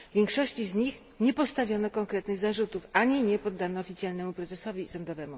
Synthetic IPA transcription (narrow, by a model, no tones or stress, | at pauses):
vʲjɛŋkʂɔɕt͡ɕizɲix | ɲɛpɔst̪avʲjɔnɔkɔŋkɾɛt̪nɘɣzaʐut̪ufaɲiɲɛpɔd̪ːanɔːfʲit̪sʲjalnɛmupɾɛt̪zɛsɔvʲisɔnd̪ɔvɛmu